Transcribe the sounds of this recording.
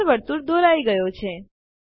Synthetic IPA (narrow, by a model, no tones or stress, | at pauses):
bəɽt̪uɾd̪ʱoɾaiɡəjot͡ʃʰe